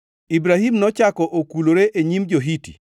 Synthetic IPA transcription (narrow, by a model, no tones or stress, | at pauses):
ibɾaɦimnɔt͡ʃakɔʔokuloɾeʔeɲimd͡ʒoɦitḭ